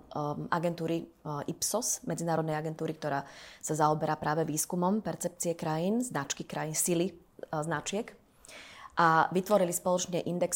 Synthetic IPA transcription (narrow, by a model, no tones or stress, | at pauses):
ʔaɡɛnt̪uːɾiipsɔsmɛd͡zinaːɾɔd̪nɛjaɡɛnt̪uːɾik̚t̪ɔɾaːsazaɔbɛɾapɾʔaːʋɛʋiːskumɔmpɛɾt͡sɛp̚t͡siɛkɾajiːnznat͡ʃkikɾajinsili | znat͡ʃɪɛk | ʔaʋit̪ʋɔɾilispɔlɔt͡ʃɲɛʔind̪ɛks